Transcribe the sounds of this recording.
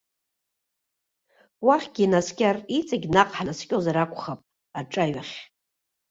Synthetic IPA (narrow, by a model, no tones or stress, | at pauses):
waχʲɡʲinaskʲʼarit͡sʼaɡʲnaqʼħanaskʲʼozaɾakʷʰʼχapʼ | aʈ͡ʂʼaɥaχʲ